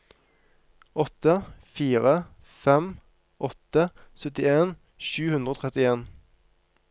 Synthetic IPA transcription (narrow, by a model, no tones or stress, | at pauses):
ɔt̪əfiːʁə | fɛm | ʔɔt̪əsœt̪ɪeːn | ʃʉːhʉnʁəoːt̪ʰʁɛt̪ɪeːn